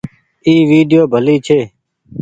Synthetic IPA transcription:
iːʋiːɖijoːbʱəliːt͡ʃʰeː

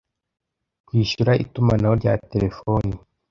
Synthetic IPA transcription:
kwiːʃuɾaʔḭtumanahoɾɟaːte̞ɾe̞foni

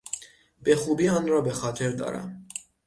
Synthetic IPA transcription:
bɛχubiɑnɾɔbɛχɑt͡ʃʰɛɾd̪ɑ̰ɾɑ̰

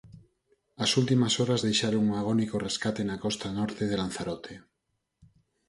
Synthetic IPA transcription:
asult̪imasoɾazðejʃaɾoŋuŋaɣ̞onikoreskat̪enakɔst̪anɔɾt̪eð̞elan̟θaɾot̪ʰe

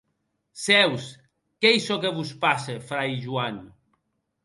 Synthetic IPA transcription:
sɛws | kɛjsɔkeβuspasefɾajʒuan

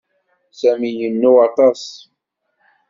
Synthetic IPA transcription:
sæmijənːuɑt̪ˤɑsˤ

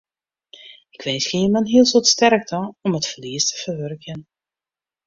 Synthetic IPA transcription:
ɪkʋɛnsxeːnmanɦiːlˠsotstɛɾk̚dɑnɔmətfərliəstʰə̥v̥ərʋørkən

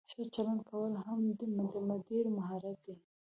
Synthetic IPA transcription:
ʃət͡ʃaland̪kawəlɦamd̪d̪əmad̪iɾmaɦaɾat̪̚d̪i

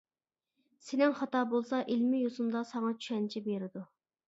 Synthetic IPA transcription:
senɪŋχɑt̪ɑːbolˠsɑʔilmɪjosund̪ɑsɑŋɑt͡ʃʰy̥ʃɛnt͡ʃʰibeɾɪd̪u

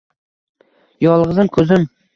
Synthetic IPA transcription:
jɒlˠʁɨzɪmkʰɵzɪm

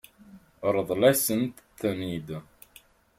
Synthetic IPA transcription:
ɾˤəðˤlæsənt̪t̪ːənid̪

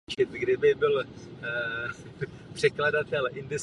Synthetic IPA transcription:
t͡ʃɪt̪ɡdɪbɪbɪl | pr̝̥ɛkladat̪ɛlʔɪnd̪ɪs

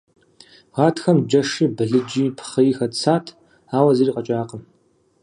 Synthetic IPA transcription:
ʁaːtʰxɐmd͡ʒɐʂɨbɨɮɨd͡ʒiːpʰχɐjixɐt͡sʰaːtʰ | aːwɐzɐriːqɐt͡ʃʼaːqəm

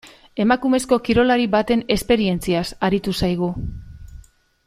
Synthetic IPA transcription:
e̞makume̞sko̞kiɾo̞laɾiβat̪e̞ne̞spe̞ɾie̞nt͡siasaɾit̪usajɣ̞u

